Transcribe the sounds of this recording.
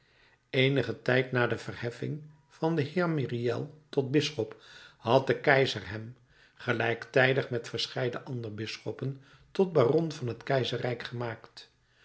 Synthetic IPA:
ejnəχətɛjtnaːdəv̥ərhɛfɪ̰ŋ | v̥ɑndəɦɪːɹmiriɛ̰lˠtɔd̚bɪsχɔpɦɑt̚dəkɛjzərɦɛm | χəlɛjktɛjdəχmɛtfəɹsχɛjdəʔɑndərbɪsχɔpən | tɔd̚baːrɔnvɑnɦətkɛjzərɛjkχəmaːkt

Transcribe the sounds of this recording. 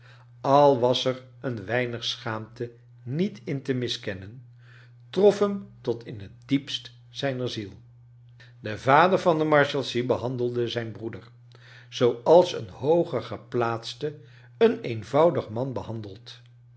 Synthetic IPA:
ɑlˠʋɑsɛr | ənʋɛjnəχsχaːmtə | nitɪntəmɪskɛnən | trɔfɦəmtɔtʰɪnɦət̚dipst | z̥ɛjnəɹzilˠ | dəvaːdəɹvɑndəmɑɹʃɛlˠsibəɦɑndəlˠdəzɛjnbrudəɹ | z̥owɑlˠsə̰nhowχəχəplaːtstə | ənejnvɑwdəχmɑnbəɦɑndəlˠt

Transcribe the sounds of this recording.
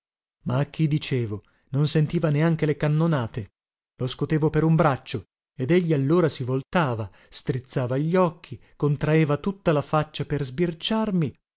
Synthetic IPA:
maːk̟ːid̪it͡ʃeːvo | nonsent̪iːvaneaŋk̟elekanːonaːt̪e | loskot̪eːvopeɾumbɾat͡ʃːo | ed̪eʎːialːoːɾasivolt̪aːva | st̪ɾit̪sːaːvaʎːɔkʰːikont̪ɾaeːvat̪ut̪ːalafat͡ʃːaperzbirt͡ʃarmi

